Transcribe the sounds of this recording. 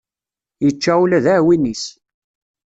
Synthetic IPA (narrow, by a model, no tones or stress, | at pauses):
jət͡ʃːæwlæðæʕwinːis